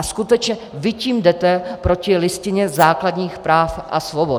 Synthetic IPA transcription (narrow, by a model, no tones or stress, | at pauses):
askut̪ɛt͡ʃɲɛ | vɪciːmdɛt̪ɛpɾo̞cɪlɪscɪɲɛzaːkladɲiːxpɾaːfʔa̰svobo